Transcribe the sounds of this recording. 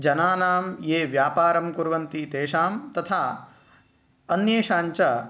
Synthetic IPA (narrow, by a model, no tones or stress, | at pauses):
d͡ʒɐnaːnaːmjeːʋjaːpaːɾɐmkuɾʋɐnt̪it̪eːʃaːmt̪ɐt̪ʰaː | ɐnjeːʃaːɲt͡ʃɐ